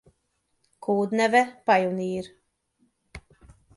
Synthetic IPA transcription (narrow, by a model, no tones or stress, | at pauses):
kʰuːd̪nɛvɛpajuniːɾ